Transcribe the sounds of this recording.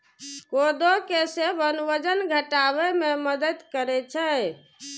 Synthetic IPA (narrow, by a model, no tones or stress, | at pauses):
kod̪okesebənʋəd͡ʒənɡʱəʈaβɛmeməd̪ət̪kəɾɛt͡ʃʰɛ